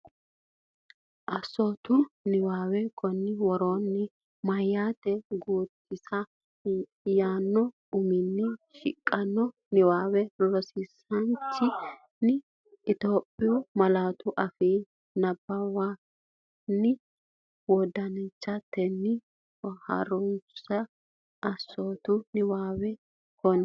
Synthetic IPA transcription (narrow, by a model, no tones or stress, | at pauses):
ʔɐsɔt̪ʊnɪwaːwɛkʰɔnːɪwɔɾoːnːɪ | mɐjːat̪ɛɡuːt̪ʰːɪsɐ | jaːnːɔ | ʊmɪnːɪʃɪ̰kʼːɐnːɔ | nɪwaːwɛlɔsɪsɐnt͡ʃːɪ | nɪː | t̪oːpʼːɪjɔmɐlaːt̪ʊʔɐfiː | nɐbːɐwa | nːɪ | wɔd̪ɐnɛt͡ʃːɐt̪ːɛnːɪ | hɐ̰ɾʊnsɐ | ɐsːoːt̪ʊnɪwaːwɛ | kɔn